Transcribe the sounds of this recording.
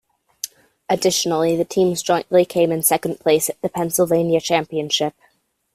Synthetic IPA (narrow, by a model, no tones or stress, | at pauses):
ɨdɪʃn̩l̩ˠiðɨtʰĩmzd͡ʒɔ̃ɪ̃nʔlikʰẽɪ̃mɨ̃nsɛkn̩pʰl̥eɪsɨt̪̚ðɨpʰɛ̃nsl̩ˠvẽɪ̃njɨt͡ʃʰæ̃mpiɨ̃nʃɪp̚